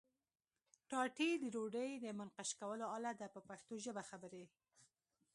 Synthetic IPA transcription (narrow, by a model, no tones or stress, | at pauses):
ʈɑʈid̪əɾoɖəjd̪əmanqaʃkawəloalad̪apəpaxt̪oʒəbaxabəɾe